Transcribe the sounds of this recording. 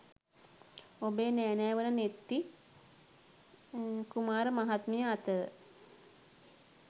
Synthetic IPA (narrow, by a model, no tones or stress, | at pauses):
obeːnæːnæːʋənənet̪ːi | kumaːɾəmaɦat̪məjəat̪ə